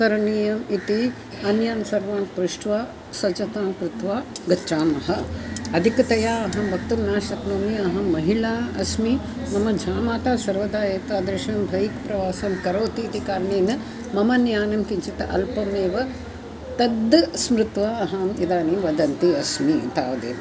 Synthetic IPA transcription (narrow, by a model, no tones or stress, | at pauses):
kɐɾɐɳiːjɐmit̪i | ɐnjaːnsɐɾʋaːnkɾuʂʈʋaː | sɐt͡ʃɐt̪aːmkɾut̪ʋaːɡɐt͡ʃːaːmɐɦɐɐd̪ʱikɐt̪ɐjaːɐɦɐmbʱɐk̚t̪ɐmnaːʃɐt̪noːmiɐɦɐmːɐɦiɭaːɐsmi | mɐmɐd͡ʒʱaːmaːt̪aːsɐɾʋɐd̪aːjeːt̪aːd̪ɾeʃɐmbʱɐjikpɾɐʋaːsɐːmkɐɾoːt̪iːt̪ikaːɾniːnɐ | mɐmɐnjaːnɐmkiɲt͡ʃit̪ɐʔɐ̰lpɐmeːʋɐ | t̪ɐd̪ːɐsmɾut̪ʋaːɐɦaːmid̪aːniʋɐd̪ɐnt̪iɐsmit̪aːʋd̪ḛː